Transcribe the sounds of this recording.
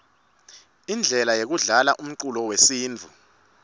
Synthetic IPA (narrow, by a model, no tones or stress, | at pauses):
ind͡ɮʱɛlajek̬uɮalaʔum̩ǀulɔwesiːnd͡vʱu